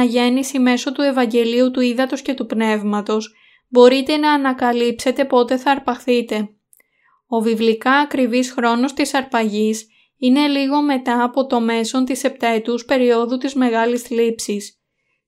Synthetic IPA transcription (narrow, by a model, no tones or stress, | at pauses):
ɐʝe̞nisime̞so̞t̪ue̞vɐɲɟe̞liut̪uiðɐt̪o̞sce̞t̪upne̞vmɐt̪o̞s | bo̞ɾit̪e̞nɐːnɐkɐlipse̞t̪e̞po̞t̪e̞θɐːɾpɐxθit̪e̞ | o̞vivlikɐːkɾivisxɾo̞no̞st̪isɐɾpɐʝis | ine̞liɣo̞me̞t̪ɐːpo̞t̪o̞me̞so̞nt̪ise̞p̚t̪ɐe̞t̪uspe̞ɾio̞ðut̪izme̞ɣɐlislipsis